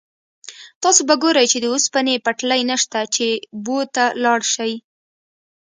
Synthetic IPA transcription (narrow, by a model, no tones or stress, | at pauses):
t̪ɑsobaɡoɾəjt͡ʃed̪əospanepaʈlajnəʃt̪at͡ʃebot̪alɑɽʃaj